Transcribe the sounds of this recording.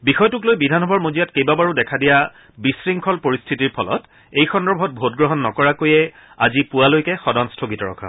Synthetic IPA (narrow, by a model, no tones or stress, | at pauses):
bixɔjtʊklojbidʱanɔbʱɔɹmozijatkejbabaɹudɛkʰadija | bisɹiŋkʰɔlpoɹistʰitiɹpʰɔlɔ̰t | ejxɔndɔɹbʱɔt̚bʱotɡɹɔɦɔnːɔkɔɹakojɛ | a̰zipuwalojkɛxɔdɔnstʰoɡitɔɹɔ̰kʰa̰